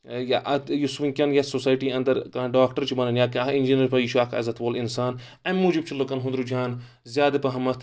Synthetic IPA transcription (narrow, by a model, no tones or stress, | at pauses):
jaʔɐjusʋiŋkʲɐnjɐsosaːjʈiɐ̃nd̪ɐɾkãːɖaːkʈɐɾt͡ʃʰibɐnɐnjaːkind͡ʒinɐɾpɐjiʃuakʰɐ̰zɐt̪ʋoːlinsaːn | ɐmmuːd͡ʒib̚t͡ʃʰilokɐnɦũnd̪ɾud͡ʒʰʱʲaːn | zʲjaːd̪ɐpɐɦɐmɐt̪ʰ